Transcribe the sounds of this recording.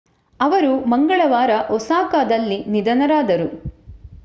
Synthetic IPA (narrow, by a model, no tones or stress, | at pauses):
ɐʋɐɾumɐŋɡɐɭɐʋaːɾɐʔɔsaːkaːd̪ɐlːinid̪ɐnɐɾaːd̪ɐɾu